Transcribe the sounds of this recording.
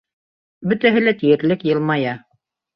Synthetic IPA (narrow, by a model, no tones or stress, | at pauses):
bɵ̆t̪æɦɘlæt̪ijɘ̆ɾlɘkjɤ̆lˠmɑjɑ